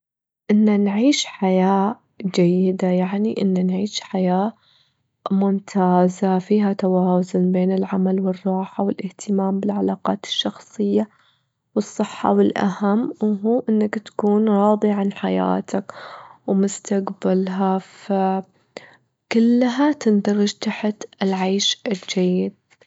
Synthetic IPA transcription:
ʔɪnːanʕiːʃħajaː | d͡ʒajːɪd̪ajaʕniʔɪnːanʕiːʃħajaː | mʊmt̪ʰaːzafiːɦat̪awaːzʊnbeːnɪlʕamalwɨrˤːɑːħawɪlʔɪht̪ʰɪmaːmbɪlʕalaːqɑːt̪ɪ̥ʃːɑxsˤɨjːa | wɨsˤːɨħːɑ̰wɪlʔa̰hamːwɦuːʔɪnːakt̪ḁkuːnɾˤɑːðˤiʕanħaja̰ːt̪ʰakwmʊst̪aqbalɦafa | kʊlːɦat̪ɪnd̪ɑɾˤɪd͡ʒt̪aħt̪ɪlʕaːʃd͡ʒajːɪd̪̚

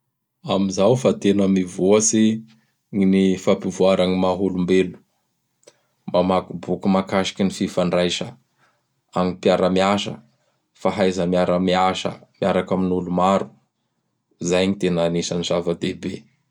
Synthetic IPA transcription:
amizawfat̪enəmivoəsi | ŋinifapivuaɾaŋimaɦulumbelu̥ | mamakubukumakaʃi̥kʲinififaɳɖ͡ʐajʃə | aŋipiaɾamiaʃə̰ | faɦajzəmiaɾamiaʃə̰miaɾakaminulumaɾu̥ | zajɲit̪enanisənizavəd̪ebe

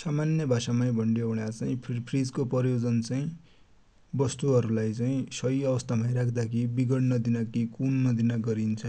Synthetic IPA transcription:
samanjʌbʱasamaj̃bʱʌɳɖjoɦuɽjat͡saĩpʰpʰrid͡zkopʌɾjod͡zʌnt͡saĩ | bʌst̪uɦʌɾulajt͡saĩsʌjʌβʌst̪amajɾakʰd̪akʰibiɡʌɽnʌd̪inakikunnʌd̪inaɡʌɾint͡sʰʌ

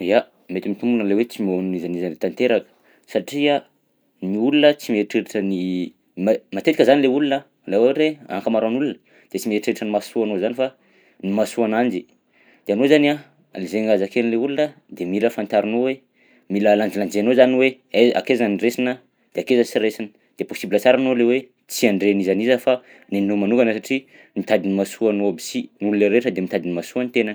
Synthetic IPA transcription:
a | met̪imit̪umbunlewet͡simonnizanizanet̪ant̪eɾakə̥ | saʈ͡ʂia | niulunət͡simeʈ͡ʂeɾiʈ͡ʂəni | mmat̪et̪ikəzanileulunə | laweɾea̰ŋkəmaɾaanulunə | d̪̥et͡simeʈ͡ʂeɾaʈ͡ʂənimasuanozanifa | nimasuanand͡ʒi̥ | d̪̥eanozania | lizeŋazakelleulunə | d̪emiləfant̪aɾinowe | miləland͡ʒiland͡ʒeanozaniwe | ea̰kezaniresinə | d̪̥eakezəsiɾesin | d̪̥eposibilət͡saɾanolewe | t͡siaɳɖ͡ʐeanizanizəfa | nenomanukɡanəsaʈ͡ʂi | mit̪ad̪inimasuanoabi̥sinulunəɾeʈ͡ʂəd̪emit̪ad̪inimasuant̪enan

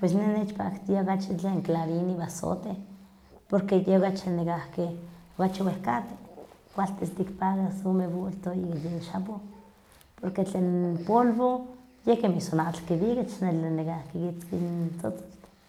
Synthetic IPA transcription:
pwesnenet͡ʃpa̰kt̪iaokat͡ʃit͡ɬeːŋklaɾiniβaso̰t̪e | poɾkejeokat͡ʃinekahkiokat͡ʃiwehkat̪e̥kʷalt̪est̪ikpaɣasomebult̪oikajenʃapo | poɾket͡ɬeːnpolβojehkemisonaʔt͡ɬkiβiket͡ʃnelenekahkikit͡skint͡sot͡so̥t̪

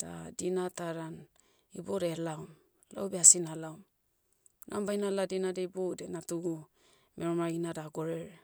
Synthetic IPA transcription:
d̥a̰dinataɾan | iboɾelawm | la̰wbeasinalawm | nʔa̰mbajnaladinadeibodenatuɡu | mʔeɾomɾaɡinadaɡoɾeɾe

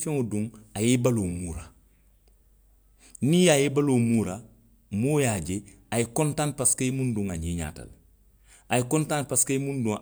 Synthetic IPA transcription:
fɛ̃ŋodũŋajebaloːmuːɾa̰ | nĩjajebaloːmuɾa | moːjaɟe | ajekɔ̃ntãnpaskaimũndũŋaɲiɲa̰ːta̰l | ajekɔ̃ntãnpaskejimũndũŋ

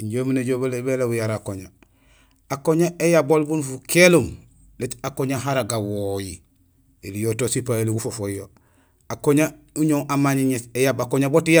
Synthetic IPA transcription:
iɲɟomineɟobelebelabujaɾakoɲa | akoɲaʔejabolbunfukelum | letakoɲaɦaɾaɡawoji | elijotosipaeliɡufofojo | akoɲa | uɲoŋʔamaɲiɲetejabakoɲabotija

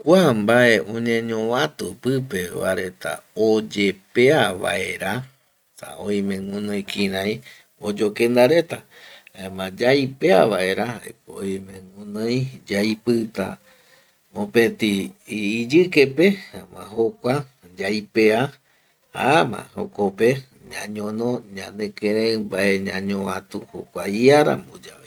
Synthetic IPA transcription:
kʷambae̞ʔõɲẽɲõʋãt̪upɨpeβa̰ɾe̞t̪a̰od͡ʒepeaβa̰ʔeɾa | sa̰õj̃mẽŋũnõj̃kĩɾãj̃ | od͡ʒokẽnd̪aɾe̞t̪a | aemãd͡ʒajpea̰βae̞ɾahaḛkoojmẽŋũnojd͡ʒajpɨt̪a̰ | õpẽt̪iː | d͡ʒɨkepeamã̰ɦokʷa | d͡ʒajpea | ha̰amã̰ho̰kope | ɲãɲõnõɲãnẽkẽɾẽbaʔeɲãɲõãt̪uho̰kʷaiaɾa̰mbod͡ʒaβe

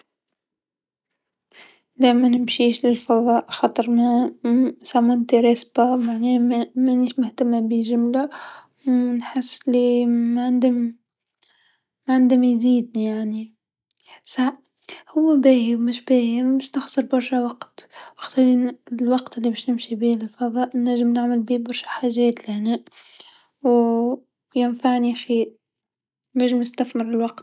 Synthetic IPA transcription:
d̪ɛmænɪmʃiːʃlɪlfɑwɑːʔxɑt̪ˤɨɾˤmæ | sɑmːɑnt̪iɾˤɑsbamaʕnɛːmmæniːʃmʊht̪amːabiʒʊmla | wɪnħɪsːɪlːimʕand̪ɪm | ʕand̪ɪmjziːd̪̚njaʕni | saʕ | hʊwːabeːhiwmɪʃbeːjimɪst̪axsɨɾˤbɑɾˤʃawɑqt̪wɪxt̪ˤɑɾinlwɑqt̪ʔɪlːibeːʃnɪmʃibiːllfɑðˤɑːʔnaʒɪmnɪʕmalbiːbɑɾˤʃḁħaːʒeːt̪lɪhneːʔ | w | jɪnfaʕnixiːɾ | naʒɪmɪst̪aθmɪɾɪlwɑqt̪̚

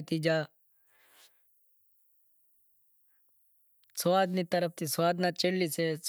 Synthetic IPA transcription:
t̪id͡ʒaː | sʋaːd̪nit̪əɾəp̚t̪isʋaːd̪nat͡ʃelːiseːs

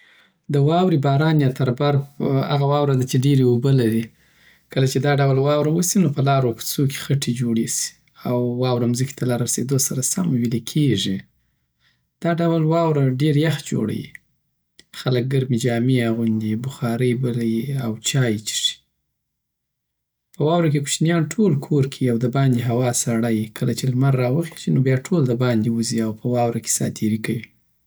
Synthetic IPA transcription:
d̪əwɑwɾibɑɾɑnjɑt̪aɾbaɾa̰ɣawɑwɾad̪at͡ʃeɖeɾeobəlaɾi | kəlat͡ʃed̪ɑɖawlwɑwɾawəsinopəlɑɾopə̥t͡soke̥xaʈʰed͡ʒoɽesi̥ | awːɑwɾamzəki̥t̪alɑɾased̪osaɾasamwilekʰeʐi | d̪̥ɑɖawlwɑwɾaɖeɾjaxd͡ʒo̰ɽa̰jḭ | xalək̚ɡaɾmid͡ʒɑmiaɣund̪ibʊxɑɾəjbəlajiawt͡ʃɑjt͡ʃi̥ʂi̥ | pəwɑwɾak̬eku̥t͡ʃnjɑnʈʰolkʰoɾkʰiiawd̪əbɑnd̪eɦawɑsaɽajkʰəlat͡ʃelmaɾːɑwəxe̥ʃinobjɑʈʰold̪əbɑnd̪iwuziawpʰəwɑwɾake̥sɑ̰t̪ʰiɾikawi

